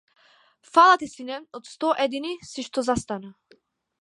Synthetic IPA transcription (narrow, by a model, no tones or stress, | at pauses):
falˠat̪isinɛnɔt̪st̪ɔʔɛd̪inisiʃt̪ɔzast̪ana